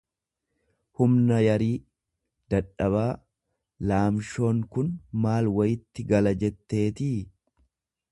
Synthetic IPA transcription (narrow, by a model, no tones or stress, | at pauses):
hʊmnɐjɐɾiː | d̪̥ɐᶑɐβaː | laːmʃo̞ːŋkʊnmaːlwɐjɪt̪ːɪɡɐlɐd͡ʒɛt̪ːe̞ːt̪iː